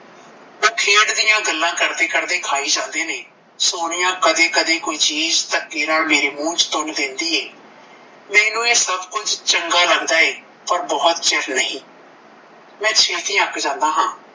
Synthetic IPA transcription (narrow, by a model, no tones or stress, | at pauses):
ũːkʰeːɽd̪ɪjãːɡəlːãːkəɾd̪eːkəɾd̪eːkʰaːiːd͡ʒãːnd̪eːneː | soːɽɪjãːkəd̪eːkəd̪eːkoːiːt͡ʃiːzt̪əkːeːɾaːlmeːɾeːmũːt͡ʃt̪ʊɳd̪ɪ̃nd̪iːeː | lɛ̃ːnũːeːsəbkʊd͡ʒt͡ʃəŋɡaːləɡd̪aːeː | pəɾbɔːt̪t͡ʃɛɾnəɦĩː | mɛ̃ːt͡ʃʰeːlt̪ĩːãəkʰd͡ʒãːnd̪aːɦãː